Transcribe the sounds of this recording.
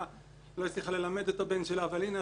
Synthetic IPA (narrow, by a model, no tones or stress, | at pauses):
a | loit͡sliχale̞lame̞d̪ot̪abe̞nʃelaːvalina